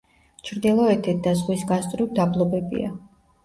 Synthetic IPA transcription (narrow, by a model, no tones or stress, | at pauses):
t͡ʃʰɾd̪ilˠɔɛt̪ʰɛt̪̚ʰd̪azʁwisɡast̪ʼɾid̪ablˠɔbɛbḭa̰